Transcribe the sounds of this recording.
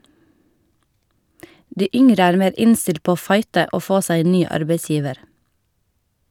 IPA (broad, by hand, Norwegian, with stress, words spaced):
ˈdiː ˈʏŋɾə ˈæːɾ ˈmeːɾ ˈɪnstɪlt ˈpoː ˈoː ˈfɑɪtə ˈʔoː ˈfoː ˈsæɪ ˈeːn ˈnyː ˈɑɾbeɪˌsjiːʋəɾ